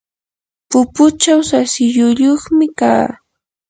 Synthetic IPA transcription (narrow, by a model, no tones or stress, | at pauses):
pʊpʊt͡ʃawsasɪʎʊʎoχmɪka̰ː